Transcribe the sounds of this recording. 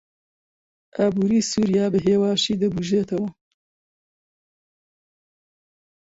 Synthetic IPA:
ʔaːbuːɾiːsuːɾijaːbɨɦeːwaːʃiːd̪ɨbuʒeːt̪ʰɐwɐ

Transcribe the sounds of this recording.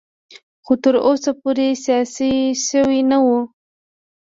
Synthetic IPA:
xot̪əɾosapoɾesijɑsiʃəwinawu

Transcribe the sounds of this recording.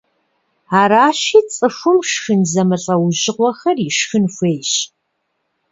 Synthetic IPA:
aːɾaːɕiːt͡sʼɨʂʷʊmʃxɨnzɐmɨɬʼɐwʑɪʁʷɔxɐriʃxɨnxʷeːjɕ

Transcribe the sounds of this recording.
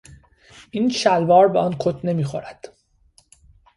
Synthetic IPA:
ʔiːnʃælbɒːɾbeʔɒːnkʰot̪ʰne̞miːxoɾæd̪̥

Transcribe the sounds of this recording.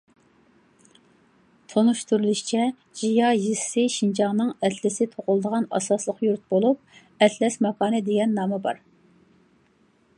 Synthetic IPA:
t̪ʰonuʃt̪uɾulˠuʃt͡ʃʰɛ | d͡ʒijɑjissɪʃind͡ʒɑŋnɨŋɛt̪lɪsɪt̪ʰoʁʊlˠd̪əʁɑnɑ̰sɑslˠəqjuɾt̪̚bolˠup̚ | ɛt̪ʰlɛsmɛkʰɑːnɨd̪eɡʲɛnːɑːmɛbɑ̰ɾ

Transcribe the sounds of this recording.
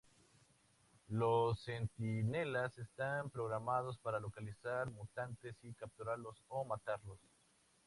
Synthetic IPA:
losːe̞nt̪inelasest̪ampɾo̞ɣɾamað̞o̞spaɾalo̞kalisaɾmut̪ant̪e̞sikap̚t̪uɾalo̞somat̪aɾlo̞s

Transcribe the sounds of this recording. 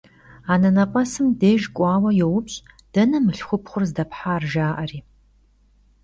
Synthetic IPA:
aːnɐnɐpʼɐsɨmdeːʒkʷʼɑːwɐjɛwʊpɕʼ | d̥ɐnɐmɨɬχʷʊpχʷʊrzdɐpħaːrʒaːʔɐriː

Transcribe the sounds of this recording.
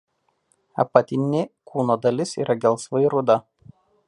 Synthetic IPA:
ɐ̰pɐt̪ʲɪnʲɪkʰuːnoːd̪ɐlʲɪsḭːɾʔɐɡʲɛlˠˑsʋɐɪɾʊd̪ɐ

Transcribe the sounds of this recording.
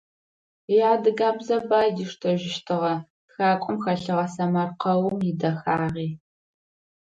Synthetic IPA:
jaːdɨɡaːbzɐbaːjdiʂtʰɐʒɪʃtʰɨʁɐ | txaːkʷʼʊmxɐɬɨʁɐsɐmɐrqɐwʊmjɪdɐxaːʁiː

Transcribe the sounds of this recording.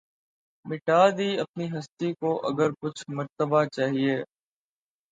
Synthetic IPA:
mɪʈaːd̪iɐp̚niɦɐst̪ikoʔɐɡəɾkʊt͡ʃʰmɐɾt̪əbat͡ʃaːɦieː

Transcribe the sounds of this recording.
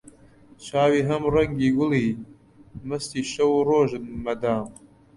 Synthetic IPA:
t͡ʃaːwiːɦɐmrɐŋɡiːɡʊliː | mɨst̪iːʃɐwuroːʒɨnmɐd̪aːm

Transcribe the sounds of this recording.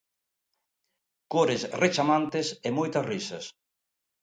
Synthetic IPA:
koɾesret͡ʃamant̪ɪsemojt̪ɐsrisɐs

